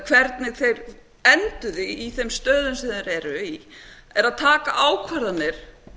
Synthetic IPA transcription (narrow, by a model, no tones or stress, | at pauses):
kʰvɛɾt̪nɪɣθejɾ | ɛnt̪ʏðɪiθɛmst̪œːðʏnsɛðɪɾɛɾʏi | ɛɾaðt̪ʰaːkaʔaːwkʰvɛɾðanːɪɾ̥